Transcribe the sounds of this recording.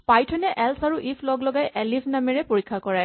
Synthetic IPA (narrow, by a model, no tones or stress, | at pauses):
pajtʰɔnɛʔɛlsaɹuʔipʰlɔɡlɔɡajʔɛlipʰnamɛɹɛpoɹikʰːakɔɹɛ